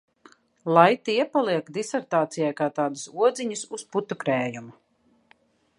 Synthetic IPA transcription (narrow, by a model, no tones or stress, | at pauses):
lˠajt̪iɛpalˠiɛkd̪isɛɾt̪aːt̪sijajkaːt̪aːd̪usuɔd̪ziɲususput̪ukɾɛːjumu